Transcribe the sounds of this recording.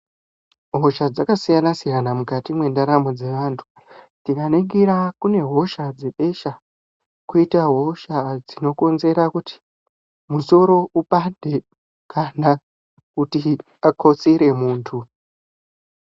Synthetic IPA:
ɦo̞ʃad͡zakasijanasijanamukatimwe̞ndaɾamod͡ze̞ʋaːntʰu̥ | d͡zikaneɡiɾakune̞ɦo̞ʃad͡ze̞ɓe̞ʃa | kuitaɦo̞ʃad͡zino̞ko̞nze̞ɾakuti̥ | muso̞ɾo̞ʔupande̞ | kʰana | kuti | akʰo̞t͡siɾe̞muːntʰu

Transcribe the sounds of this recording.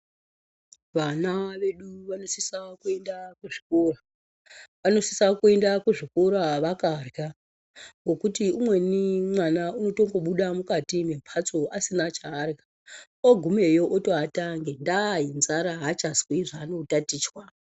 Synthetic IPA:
ʋanaʋe̞ɗuʋano̞sisakuendakuʐikora | ʋano̞si̥sakue̞ndakuʐikoɾaʋakarɡa | ŋɡokutiumwe̞nimwanauno̞to̞ŋɡo̞ɓuɗamukatimempʰat͡soʔasinat͡ʃaːrɡa | oɡʱume̞joʔotoataŋɡendainzaɾaɦat͡ʃazwiʐaːnotatiːt͡ʃwa

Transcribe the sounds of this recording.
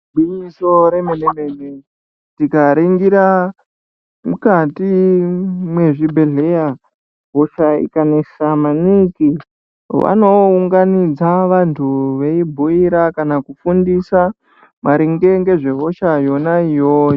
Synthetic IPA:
ɓiɲiso̞ɾemeneme̞ne | tikaɾeŋɡiɾa | mukati | mwe̞ʐibʱe̞ɮe̞ja | ɦoʃaḭkanesamaniki | ʋa̰no̞uŋɡanid͡zaʋantʰuʋe̞ibʱuiɾakanakufundisa | maɾiŋɡe̞ŋɡe̞ʐe̞ɦo̞ʃajo̞naijoj

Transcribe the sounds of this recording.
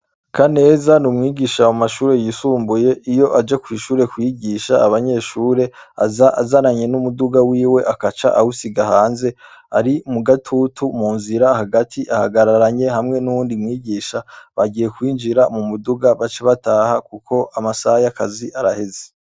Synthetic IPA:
kʰane̞ːzanumŋiːɡiːʃawamaʃuːɾe̞jisuːmbuje̞ʔijo̞ʔad͡ʒe̞kwiːʃuːɾe̞kwiːɡiʃaaβaɲe̞ːʃuːɾe̞a̰zaazaɾaɲe̞numuduɡawiːwe̞ʔakat͡ʃa̰ʔahusiɡahaːnze̞ | aɾiumuɡatʰutʰumuːnziɾahaɡatʰiʔahaɡaɾaɾaɲe̞ɦamŋe̞nuwuːndimŋiːɡiːʃaβaɡiːje̞kwiːnd͡ʒiɾamumuduɡaβat͡ʃeβataːhakukʰo̞ʔamasajakaziʔaɾaheze̥

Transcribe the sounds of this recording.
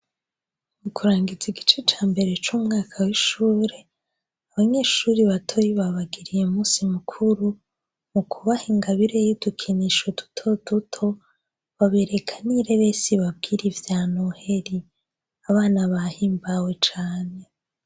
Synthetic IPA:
mukʰuɾaːŋɡid͡ziɡit͡ʃet͡ʃaːmbe̞ɾe̞t͡ʃumŋaːkʰawiʃuːɾe̞ | aβaɲe̞ːʃuːɾiβatʰo̞jiβaβaɡiɾijemuːsimukʰuɾu | mukʰuβahiŋɡaβiɾe̞jud̥ukʰiniʃo̞du̥tʰo̞tutʰo̞ | βaβe̞ːɾe̞kʰaniɾe̞βe̞siβab̚ɡiːɾivjaːnohe̞ɾi | aβaːnaβahiːmbawe̞t͡ʃaːne̞

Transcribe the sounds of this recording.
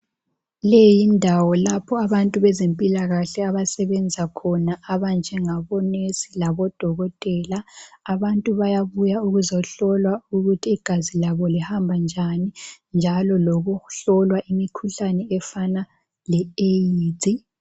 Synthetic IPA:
lejindʱawɔlapʰɔaβantʼuβɛzempʼilaɣaɬɛaβasɛβɛnd͡zʱakʰɔnaaβand͡ʒʱɛŋaβɔnesilaβɔd̥ʱɔɣɔtʼɛlaːβantʼuβajaβujauɣuzɔɬɔlwauɣutʰiːɡ̥ʱazilaβɔlihambʱand͡ʒʱanind͡ʒʱalɔloɣuɬɔlwaʔimikʰuɬanɛɛfana | lɛejiːtʼi

